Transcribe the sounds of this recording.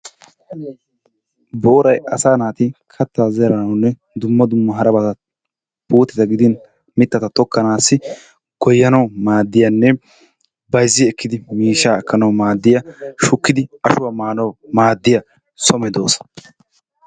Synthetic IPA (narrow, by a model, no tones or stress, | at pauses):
boːɾɐjɐsaːnaːt̪ɪkʰɐt̪ːaːzɛɾɐnɐwnːɛ | d̪ʊmːɐd̪ʊmːɐɦɐɾɐbɐt̪ɐ | buːt̪ːɪt̪ɐɡɪd̪ɪn | mɪt̪ːɐt̪ɐt̪ɔkʰːɐnaːsːɪ | ɡ̥ɔjːɐnɐwmaːd̪ːɪjɐnːɛ | bɐjzːɪɛkːɪd̪ɪmiːʃaːɐkʰːɐnɐwmaːd̪ːɪjɐʃʊkːɪd̪ɪɐʃʊwamaːnɐwmaːd̪ːɪjɐ | sɔmɛd̪oːsɐ̥